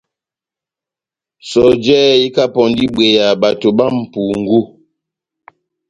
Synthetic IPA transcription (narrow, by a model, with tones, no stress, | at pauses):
sɔ˨d͡ʒɛ˦i˦ka˦pɔ˨n˦di˦ɓwe˨ja˨ba˨to˨ba˦m̩˨pu˨ŋ̩˦ɡu˦